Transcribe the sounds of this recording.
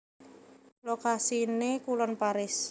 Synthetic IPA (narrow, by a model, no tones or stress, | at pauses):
lokasinekulɔnpaɾɪs